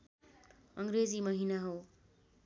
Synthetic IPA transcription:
ʌŋɾed͡zimʌɦinaɦow

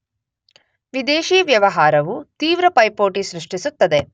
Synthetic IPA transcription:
ʋid̪eːʃiːʋjɐʋɐɦaːɾɐʋut̪iːʋɾɐpɐjpoːʈiʃɾiʂʈisut̪ːɐd̪e

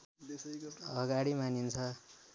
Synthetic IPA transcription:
ʌɡaɽimanint͡sʰʌ

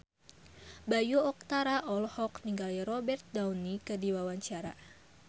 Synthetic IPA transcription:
bajuɔk̚t̪aɾaʔɔlhɔkniŋɡaliɾɔbɛrt̪̚dawnikədiwawaɲt͡ʃaɾa̰

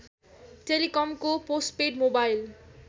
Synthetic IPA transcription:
ʈelikɔmkoposʈ̚peɖmobajl

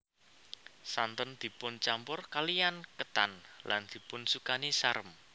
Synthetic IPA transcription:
sant̪ɔnd̪̥i̤pʊnt͡ʃampʊrkalijankət̪anla̰nd̪̥i̤pʊnsukanisaɾəm

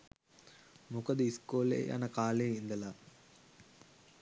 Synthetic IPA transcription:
mukəd̪əiskoːlḛja̰nəkaːleind̪əla

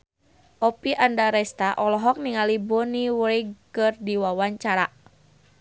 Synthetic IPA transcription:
ʔɔpiʔandaɾɛst̪aʔɔlɔɦɔk̚niŋalibɔniweiɡkɨrdiwawaɲt͡ʃaɾa

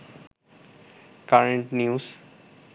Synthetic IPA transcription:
kaɾeɳʈnius

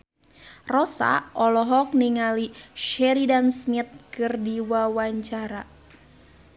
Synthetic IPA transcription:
rɔsa̰ʔɔlɔɦɔk̚niŋaliʃɛɾidansmit̪̚kɨrdiwawaɲt͡ʃaɾa

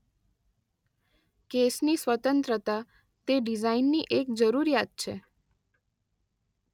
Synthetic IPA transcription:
kesnisʋət̪ənt̪ɾət̪a | t̪eɖizainːiʔek̚d͡ʒəɾuɾijat̪̚t͡ʃʰḛ

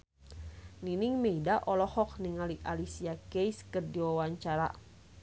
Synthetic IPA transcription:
niniŋmeidaʔɔlɔhɔk̚niŋaliʔalisiakejskɨrdiwawaɲt͡ʃaɾa̰

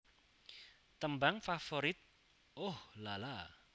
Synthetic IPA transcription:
t̪əmbaŋfafoɾɪt̪̚ | ohlala

